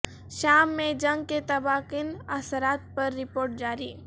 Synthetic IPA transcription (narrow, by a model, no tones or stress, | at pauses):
ʃaːmːẽd͡ʒɐ̃ŋɡ̚ket̪ɐbaːqɪnɐsəɾaːt̪̚pɐɾːɪpoːɾʈ̚d͡ʒaːɾiː